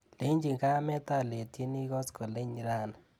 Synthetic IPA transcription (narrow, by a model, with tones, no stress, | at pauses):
le˨˦ɲd͡ʒi˨ŋɡa˦mɛ˦t̪a˦˨le˨tje˦ni˦ɣɔ˦skɔ˨le˦ɲ˨ɾa˦˨na˨